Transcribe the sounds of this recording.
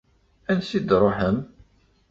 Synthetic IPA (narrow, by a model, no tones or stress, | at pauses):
ænsid̪ɾˤoħəm